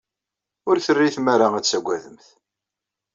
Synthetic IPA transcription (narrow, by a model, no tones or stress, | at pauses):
ʊɾθərːiθmaɾaæsæɡʷæðəmθ